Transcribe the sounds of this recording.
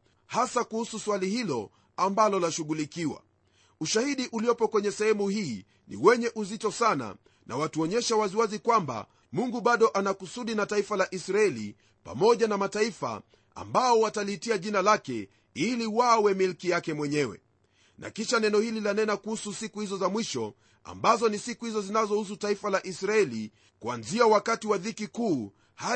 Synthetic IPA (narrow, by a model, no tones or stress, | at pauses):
hasakuhususwalihilɔ | ambalɔlaʃuɠulikiwa̰ | uʃahiɗiʔuliɔpɔkwɛɲɛsɛhɛmuhiː | nḭwɛɲɛʔuzitɔsana̰ | nʔa̰watuɔɲɛʃawaziwazikwamba̰ | muŋɡuɓaɗɔʔanakusuɗinataifalaʔisɾaɛlḭ | pa̰mɔʄanamataifa̰ | a̰mbaɔwatalitiaʄinalakɛ | iliwawɛmilkijakɛmwɛɲɛwɛ̰ | nʔa̰kiʃanɛnɔhililanɛnakuhususikuhizɔzamwiʃɔ | a̰mbazɔnisikuhizɔzinazɔhus̬utaifalaʔisɾaɛli | kuanziawakatiwaðikikuː | ha